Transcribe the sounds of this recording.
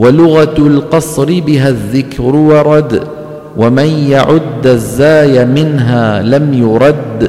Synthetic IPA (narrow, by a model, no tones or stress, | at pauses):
walʊɣalqɑsˤɾɪbɪɦaðːɪkɾʊwɑɾˤɑd̪ | wamanjaʕʊd̪ːazːaːjamɪnɦaːlamjʊɾˤɑd̪ː